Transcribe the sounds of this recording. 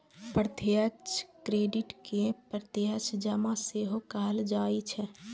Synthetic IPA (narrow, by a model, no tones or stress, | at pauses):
pɾt̪jət͡ʃkɾeːɖɪʈkepəɾt̪jət͡ʃd͡ʒəmaseɦokaɦəld͡ʒaːit͡ʃʰɛ